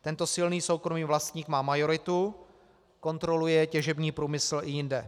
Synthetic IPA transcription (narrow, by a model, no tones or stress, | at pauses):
t̪ɛnt̪o̞sɪlniːso̞wkɾomiːvlast̪ɲiːkmaːmajo̞ɾɪt̪u | ko̞nt̪ɾo̞lujɛcɛʒɛbɲiːpɾuːmɪsl̩ʔɪjɪndɛ